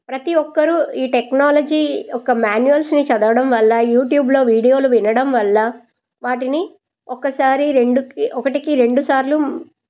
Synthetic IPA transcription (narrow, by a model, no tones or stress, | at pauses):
pɾɐt̪iʋɔkːɐɾuiːʈeknaːlɐd͡ʒiːɔkːɐmaːnjujɐlsnit͡ʃɐd̪ɐʋɐɽɐmʋɐlːɐjuːʈjuːblo̞ːʋiːɽijo̞ːluʋinɐɽɐmʋɐlːɐ | ʋaːʈini | ɔkɐsaːɾiɾe̞ɳɖukiʔɔkɐʈikiɾe̞ɳɖusaːɾlu